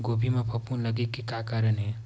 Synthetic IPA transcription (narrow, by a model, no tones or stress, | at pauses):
ɡobʱimepʰəpunləɡekːekakaɾənɦe